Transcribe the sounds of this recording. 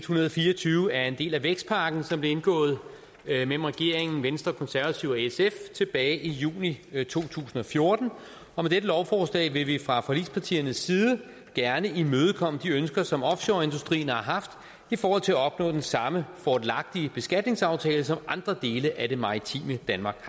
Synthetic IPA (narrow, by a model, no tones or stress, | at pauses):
ed̥hunɐðˠɒfiːɐɒt͡sʰyːʊəæɐe̝nd̥e̝̰ːlæʋeɡ̥sd̥pʰɑ̈ɡ̥n̩sɒ̽mb̥le̝e̝nɡ̥ɔ̰̽ːð̞̩ˠ | mel̰m̩ʁɛɡ̥e̝ɐ̰eŋn̩ʋensd̥ʁɐkʰɒ̽nsæɐʋæt͡sʰiʊɒeseft͡sʰe̝b̥ɛːɪʔijṵːnit͡sʰo̝̰ːt͡sʰṵːsn̩ɒ̽fjo̝ɐd̥n̩ | ɒ̽med̥edəlɒʊfɒːslɛ̰ːɪʋe̝ʋifʁɑ̈fɒ̽lḭdspʰɑ̈t͡sʰḭːɐnəsːiːð̞ˠə | ɡ̥æɐnəimøːð̞ˠkʰɒ̽m̰d̥iønsɡ̥ɐsɒ̽mɒ̽fɕoɐe̝nd̥usd̥ʁḭːnɑ̈ɦɑ̈fd̥ | ifɒːhɒ̽l̰t͡sʰe̝læɒ̽b̥nɔ̰ːd̥ensɑ̈məfɒd̥lɑ̈ɡ̥̚d̥iəb̥e̝sɡ̥æd̥ne̝ŋsɑ̈ʊt͡sʰɛ̰ːləsɒ̽mɑ̈nd̥ʁɐd̥e̝ːləʔæde̝mɑ̈ʁit͡sʰḭːməd̥ænmɑ̈ːɡ̥